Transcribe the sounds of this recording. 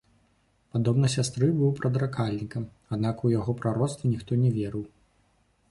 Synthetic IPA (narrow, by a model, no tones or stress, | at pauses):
pad̪ɔbnɐsʲast̪ɾɨbɨwpɾɐd̪ɾakalʲnʲikɐm | ad̪nakujaɣɔpɾaɾɔt̪st̪vʲɐnʲixt̪ɔnʲɛvʲɛɾɨw